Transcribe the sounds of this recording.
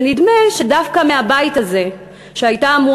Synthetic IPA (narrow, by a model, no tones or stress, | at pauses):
nidme̞ʃedafkameabaitaze̞ | ʃeajtamu